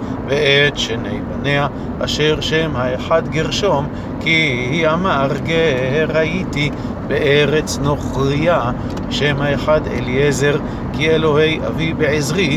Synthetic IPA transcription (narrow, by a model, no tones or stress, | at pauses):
veet̪ʃenḛjbanea | ʔa̰ʃeʁʃemhaeħad̪ɡeʁʃo̞m | kihiamaʁkeheʁaʔit̪i | beʔeʁet͡snoχʁia | ʃemhaeħad̪ḛliezeʁ | kielo̞ɦejʔa̰vibeʕezʁi